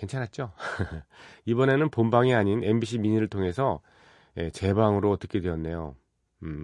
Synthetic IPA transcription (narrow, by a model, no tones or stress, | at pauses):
ke̞nt͡ɕʰanat̚t͡ɕ͈o | ibʌne̞nɯnpombaŋiaɲine̞mbiɕʰimiɲiɾɯɭtʰoŋe̞sʰʌ | je̞t͡ɕe̞baŋɯɾoʌt͈ʌkʰe̞dwejʌnːe̞jo̰